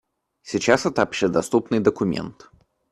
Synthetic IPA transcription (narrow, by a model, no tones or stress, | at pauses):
sʲɪt͡ɕasɛt̪əɐpɕed̪ɐst̪upnɨjd̪əkʊmʲḛnt̪